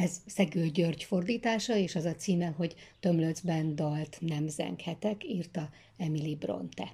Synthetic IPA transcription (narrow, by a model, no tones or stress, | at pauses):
ɛzsɛɡøːlɟørɟfo̞rd̪iːt̪aːʃɒeːʃɒzɒt̪siːmɛɦo̞ɟt̪ø̞mlød̪zbɛnd̪ɒlt̪nɛmzɛ̰ŋkhɛt̪ɛkirt̪ɒ | ɛmilibro̰nt̪ɛ